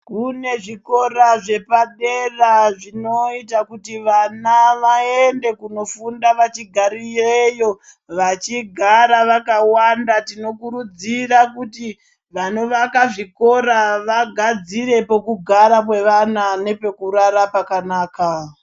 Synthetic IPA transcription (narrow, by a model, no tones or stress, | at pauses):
kune̞ʐiko̞ɾaʐe̞paɗe̞raʐino̞itakutiʋanaʋaende̞kuno̞fundaʋat͡ʃiɡʱaɾijejo̞ | ʋat͡ʃiɡʱaɾaʋakawandatino̞kuɾud͡zirakuti | ʋano̞ʋakaʐiko̞ɾaʋaɡʱad͡ziɾe̞po̞kuɡʱaɾap̬we̞ʋanane̞pe̞kuɾaɾapakanaːka